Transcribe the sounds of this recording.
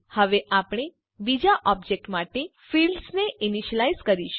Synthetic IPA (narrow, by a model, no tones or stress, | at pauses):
həʋeʔapɽ̃e | bid͡ʒaʔɔbd͡ʒek̚ʈmaʈefilɖsneʔiniʃəlaizkəɾiʃ